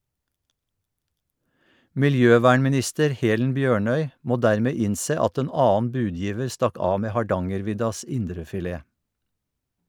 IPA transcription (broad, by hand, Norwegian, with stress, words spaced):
mɪlˈjøːˌʋæːɳmɪˌnɪstəɾ ˈheːlən ˈbjøːˌɳœʏ ˈmoː ˈdæːɹˌmeː ˈɪnˌseː ˈɑt ˈeːn ˈɑːn̩ ˈbʉːˌdjiːʋəɹ ˈstɑk ˈɑː ˈmeː hɑˈɖɑŋəɾˌʋɪdɑs ˈɪndɾəfɪˌleː